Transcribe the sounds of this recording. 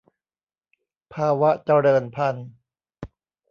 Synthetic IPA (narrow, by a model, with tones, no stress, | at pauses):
pʰaː˧wa˦˥t͡ɕa˧ɾɤː˧npʰa˧n